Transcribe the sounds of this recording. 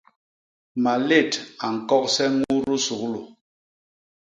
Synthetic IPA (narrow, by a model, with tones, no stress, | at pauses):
ma˨le˦˨ta˨ŋ̩˨kɔ˦k̚sɛ˦ŋu˦ɾu˦su˨klo˨